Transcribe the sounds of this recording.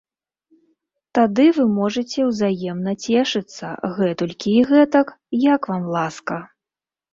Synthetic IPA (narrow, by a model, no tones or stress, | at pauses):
t̪ad̪ɨvɨmɔʐɐt͡sʲɛwzajɛmnɐt͡sʲɛʂɨt̪sːɐ̰ɣɛt̪ulʲkʲiːɣɛt̪ɐk | jakvamlˠaskɐ